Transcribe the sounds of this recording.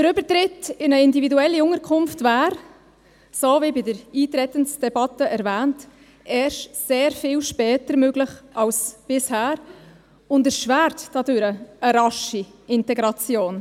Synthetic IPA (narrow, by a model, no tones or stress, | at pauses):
d̥əɾʏbəɾtɾɪtɪnəɪndividuɛlːiʊŋəɾkʰʊmftvæːɾ | sovibɪdəɾiːtɾɛtənsd̥ɛbɑtəʔɛɾvæːnt | ɛːʃseːɾfɪːlʃpɛːtəɾmøɡlɪχʔɑlsb̥ɪshæːɾ | ʊndəʃvæːɾtdɑdøɾəəɾɑʃiɪntɛɡɾɑt͡sjoːn